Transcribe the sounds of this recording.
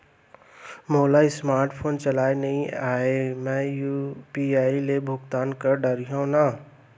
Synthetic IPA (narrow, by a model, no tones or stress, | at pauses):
moːlaɪsmaːɾʈpʰoːnt͡ʃɐlaːenɐɦĩaːemɛ̃jupiaːilebʱʊɡt̪aːnkɐɾɖɐɾiɦõnaː